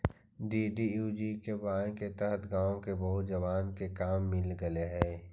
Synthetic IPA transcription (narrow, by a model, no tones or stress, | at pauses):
ɖiːɖijuːd͡ʒikebãːket̪ɛɦət̪ʰɡãːõkebɐɦʊt̪d͡ʒɐʋaːnkekaːmːɪlɡəeɦɛ̃ː